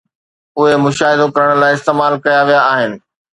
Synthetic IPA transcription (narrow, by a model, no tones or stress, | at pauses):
ʊɦemʊʃaːɦɪd̪okɐɾəɽ̃̆laːɪɪst̪eːmaːlkɐjaʋijaːɦɪnɪ̆